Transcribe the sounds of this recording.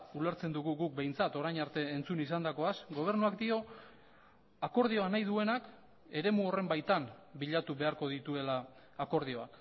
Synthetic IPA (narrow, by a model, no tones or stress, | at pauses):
ule̞ɾt͡se̞nd̪uɣuɣuk̚be̞jnt͡sat̪o̞ɾajɲaɾt̪e̞ːnt͡sunis̬and̪ako̞asɡo̞β̞e̞ɾnuakd̪io̞ | ako̞ɾðio̞anajðue̞nak | e̞ɾe̞muo̞re̞mbajt̪ambiʎat̪uβe̞aɾko̞ð̞it̪ue̞laː | ko̞ɾð̞io̞a̰k